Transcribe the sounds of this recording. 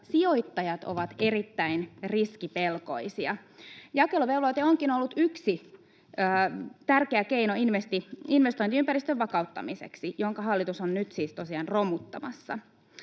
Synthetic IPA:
sio̞it̪ːɑjɑt̪o̰ʋɑt̪e̞ɾit̪ːæinriskipe̞lko̞̰isiɑjɑkeloʋelojt̪eoŋkinolːut̪yksi | əːt̪ærkeækeinoinʋest̪iinʋest̪oint̪iympæɾist̪øʋʋɑkɑut̪ːɑ̰misḛksijoŋkɑɦɑlːit̪usonnyt̪siːst̪osiɑːnromut̪ːɑmɑ̰sːɑ̰

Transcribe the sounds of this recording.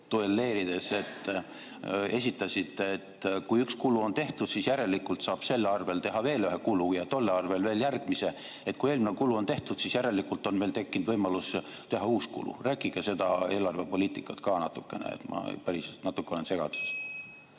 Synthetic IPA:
t̪uelːe̞ːɾid̪̥e̞se̞t̪ː | e̞sʲit̪ːˑɑsʲit̪ːˑeet̪kujykskuluo̞nt̪e̞ht̪ud̪̥sisjæɾe̞lːikːˑult̪sɑːb̥se̞lːɑrve̞lt̪e̞ɦɑve̞ːlyɦekulujɑt̪o̞lːeɑrve̞lve̞ːljærɡ̥̚mise̞et̪̚kuje̞ːlminekuluont̪e̞ht̪ud̪sisjæɾe̞lːikːˑult̪o̞nme̞lt̪e̞kːind̪vɤjmɑlust̪e̞ɦɑuːskṵlṵræːkˑiɡese̞d̪̥ɑe̞ːlɑrve̞po̞lʲiːt̪ikːˑɑt̪kɑːnɑt̪ːukːˑe̞nḛḛt̪mɑ̰pæɾisnɑt̪ːˑukːeolense̞ɡ̥ɑ̰d̪u̥s

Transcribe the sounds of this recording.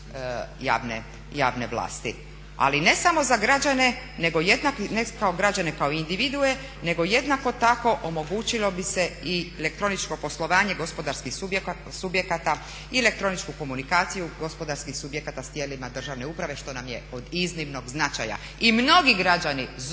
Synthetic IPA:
ja̰ːʋnḛ | ja̰ːʋne̞ʋla̰ːst̪ḭ | a̰line̞samo̞zaɡɾad͡ʑane̞ | ne̞ɡo̞jed̪naknekaoɡɾad͡ʑane̞kaoind̪iʋid̪ue̞ | ne̞ɡo̞je̞d̪nako̞t̪ako̞ʔomo̞ɡuːt͡ɕilo̞bise̞ielekt̪ɾonit͡ʃko̞po̞slˠo̞ʋaːɲe̞ɡo̞spo̞d̪aɾskixb | subje̞kat̪a | ielek̚t̪ɾo̞nit͡ʃkuko̞munikaːt̪sijuɡo̞spo̞d̪aɾskixsubje̞kat̪ast̪jelimad̪r̩ʒaʋne̞uːpɾaʋe̞ʃt̪o̞namjeod̪izniʋno̞ɡznat͡ʃa̰ja̰ | imno̞ɡiɡɾad͡ʑaniz

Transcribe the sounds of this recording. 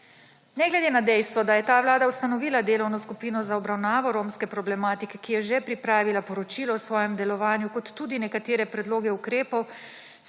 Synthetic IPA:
nɛɡlɛd̪eːnad̪ɛjst̪ʋɔd̪ajɛt̪aːʋlaːd̪aust̪anɔʋiːlad̪eːlɔwnɔskupiːnɔzaɔbɾawnaːʋɔɾoːmskɛpɾɔblɛmaːt̪ikɛkijɛʒɛpɾipɾaːʋilapɔɾɔt͡ʃiːlɔɔsʋɔːjɛmd̪ɛlɔʋaːnjukɔt̪ːuːd̪inɛkat̪eːɾɛpɾɛd̪loːɡɛukɾeːpɔw

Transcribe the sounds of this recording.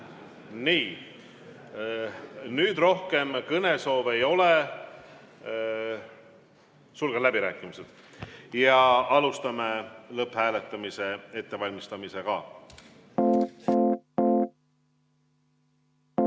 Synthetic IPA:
niː | nyːd̪̥ro̞hke̞mkɤne̞so̞ːve̞jo̞le | sulɡ̥ɑlæbiɾæːkːˑimised̪̥ | jɑɑlust̪ɑmelɤphæːle̞t̪ːˑɑmise̞e̞t̪ːe̞vɑlʲmist̪ɑmise̞kɑ̰

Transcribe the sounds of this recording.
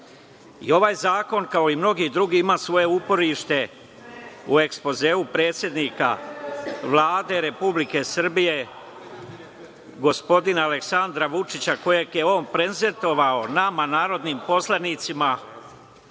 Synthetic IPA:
ḭo̞ʋaːjzaːko̞nkao̞imno̞ɡid̪ɾuɡiimaːsʋo̞je̞upo̞ɾiʃt̪e̞ | ue̞kspo̞ze̞ːupɾe̞ːt̪sʲje̞d̪niːka̰ | ʋlˠaːd̪e̞ɾe̞publike̞sr̩bije̞ | ɡo̞spo̞d̪inale̞ksand̪ɾaʋut͡ʂit͡ɕako̞je̞ɡje̞o̞ːnpɾenze̞nt̪o̞ʋao̞namanaːɾo̞d̪niːmpo̞slˠanit̪sima

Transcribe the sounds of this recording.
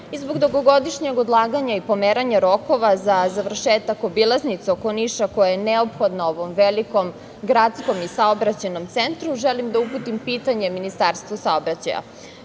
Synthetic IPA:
izboɡd̪oɡoɡo̞d̪iʃɲeɡod̪lˠaːɡaɲaipo̞meːɾaɲaɾo̞ko̞ʋazazaʋr̩ʃeːt̪ako̞bilˠaznit̪seoko̞niʃako̞jajeneopxo̞d̪naoʋo̞mʋeliko̞m | ɡɾat̪sko̞misaobɾat͡ɕeno̞mt̪sent̪ɾuʒelimd̪auput̪impiːt̪aɲe̞minist̪aːɾst̪vʋosaobɾat͡ɕa̰ja̰

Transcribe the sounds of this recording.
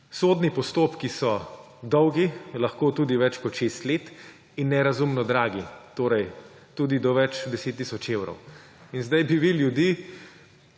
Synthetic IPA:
soːd̪nipɔst̪oːpkisɔ | d̪ɔwɡilɐxkoːt̪ud̪iʋɛt͡ʃkɔt̪ʃest̪leːt̪ | inːɛɾazumnɔd̪ɾaːɡit̪oːɾɛj | t̪uːd̪id̪ɔʋɛt͡ʃd̪ɛseːt̪ːisɔt͡ʃewɾɔ̰w | inzd̪ajbiʋiljud̪i

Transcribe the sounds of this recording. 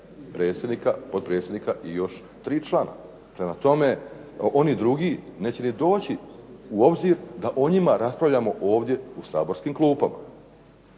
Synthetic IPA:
pɾeːt̪sʲjed̪nikapod̪̚pɾet̪sjed̪nikaʔijo̞ʃ | t̪ɾiːt͡ʃlˠaːna̰ | pɾe̞mat̪o̞me̞o̞nid̪ɾuɡiːne̞ːt͡ɕe̞nid̪o̞ːt͡ɕiuo̞bziɾd̪aʔo̞ɲimaɾaspɾaʋʎʲamo̞ʔo̞ːʋd̪je̞usa̰ːbo̞ɾskiːmklˠuːpama̰

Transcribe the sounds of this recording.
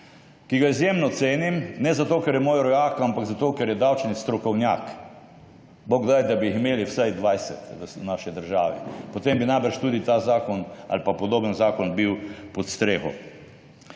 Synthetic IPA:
kiɡaizjeːmnɔt̪seːnimnɛzat̪oːkɛɾjɛmoːjɾɔjaːkɐampaɡzat̪oːkɛɾjɛd̪awt͡ʃnist̪ɾɔkɔwnja̰ːk | boɡd̪ajd̪abiiximeːliwsajd̪ʋajsɛt̪snaʃid̪əɾʒaːʋipɔt̪embinajbəɾʃt̪uːd̪it̪azaːkɔna̰lpapɔd̪oːbənzaːkɔnbiwpɔt̪st̪ɾeːxɔ̰

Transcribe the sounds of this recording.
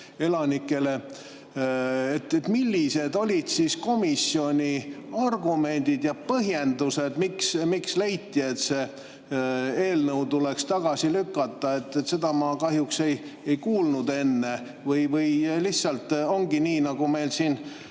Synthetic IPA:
e̞lɑnikːˑe̞le̞ | et̪ːet̪milʲːise̞d̪o̞lʲid̪̥sisko̞misːio̞nʲiɑrɡ̥ume̞nʲd̪̥id̪̥jɑpɤɦje̞nd̪use̞d̪̥miksmikslejt̪ːˑie̞t̪se | e̞ːlnɤwt̪ule̞kst̪ɑɡ̥ɑsilykːˑɑt̪ːɑe̞t̪ˑːet̪se̞d̪̥ɑmɑkɑɦjukse̞jejkuːlnud̪e̞nːe | vɤjvɤjlihssɑlt̪ːˑo̞ŋɡ̥iniːnɑɡ̥ume̞jlsiːn

